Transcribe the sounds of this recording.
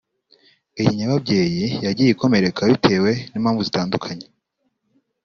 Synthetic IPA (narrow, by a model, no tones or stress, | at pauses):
ijiɲaβab̚ɟe̞ːjijaɟiːjiko̞me̞ɾe̞kaβitʰe̞ːwe̞niːmhaːɱvuzitaːndukʰaɲe